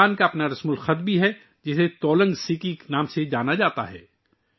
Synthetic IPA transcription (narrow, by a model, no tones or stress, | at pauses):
aːnkaɐpnaɾɐsmʊlxɐt̪̚bʱiɦɛ | d͡ʒɪset̪ɔːlə̃ŋɡsiːkiknaːmsed͡ʒaːnad͡ʒaːt̪a̰ɦɛ̰ː